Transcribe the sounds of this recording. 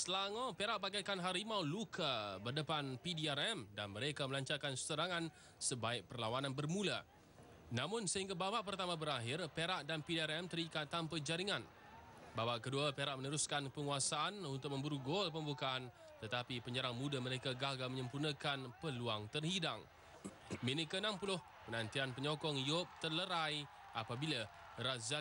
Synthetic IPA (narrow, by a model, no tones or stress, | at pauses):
səlaŋãpeɾaʔ̚baɡajkanɦaɾimawlukʰabərdəpanpidiaɾɛmdanməɾekaməlaɲt͡ʃarkanst̪əɾaŋãn | səbaɪk̚pərlawanãnbərmũla | nãmʊ̃nsəɦiŋɡababaʔp̬ərt̪amãbəɾaɦɪrpeɾaʔdanpidiaɾɛmt̪əɾikat̪ːampad͡ʒaɾiŋãn | babaʔkəduapeɾaʔ̚mənəɾuskanpəŋuasaʔanunt̪ʊk̚mə̃mbuɾuɡolpəmbukaan | t̪ət̪apipəɲəɾaŋmudaməɾekaɡaɡaməɲəmpunəkanpəluaŋt̪ərhidaŋ | minikənãmpulʊh | pənant̪ianpəɲɔkɔŋjop̚t̪ərləɾaj | apabila | ɾaza